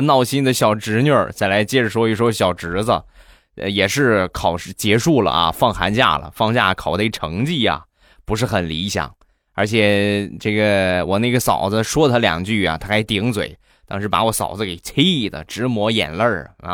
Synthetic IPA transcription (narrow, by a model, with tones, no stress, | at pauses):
nɑ˥˩ʊɕi˥nd̪ə˨ɕjɑ˨˩ʊʈ͡ʂɻ̩˧˥njə˥˩t͡sa˥˩ɪla˧˥ɪt͡ɕjɛ˥˩ʈ͡ʂə˩ʂwɔ˥y˥˩ʂwɔ˥ɕjɑ˨˩ʊʈ͡ʂɻ̩˧˥d͡zə̰˧ | ə̰˧jɛ˨˩ʂɻ̩˥˧kʰɑ˨˩ʊʂ̩˥˧t͡ɕjɛ˧˥ʂu˥˩lə̰˩ɐ̰˧fɑ˥˩ŋxa̰˧˥nt͡ɕja̰˥˩lə̰˩fɑ˥˧ŋt͡ɕja̰˥˩kʰɑ˨˩ʊd̪ʈ͡ʂʰɤ˧˥ŋt͡ɕi˥˩ɐ̰˩ | pu˧˥ʂ̬ɻ̩˥˩xə˨˩nli˧˥ɕjɑ̰˨˩˦ŋ | ə˞˧˥t͡ɕʰjɛ˨˩ʈ͡ʂɤ˥˩ɡə˩wɔ˨˩na˥˩ɪɡə˩sɑ˨˩ʊd͡zə˧ʂwɔ˥t̪ʰa˥ljɑ̰˨˩ŋt͡ɕy˥˩ja̰˩t̪ʰa˥kʰa˧˥ɪt̪i˧˥ŋt͡swḛ˨˩˦ɪ | t̪ɑ˥˧ŋʂɻ̩˥˩pa̰˧˥wɔ˧˥sɑ̰˨˩ʊd͡zə˧ke˨˩ɪt͡sʰe˥i˥˩d̪ə̰˩ʈ͡ʂɻ̩˧˥mwɔ˧˥jɛ̰˨˩nlə̰˞˥˩˧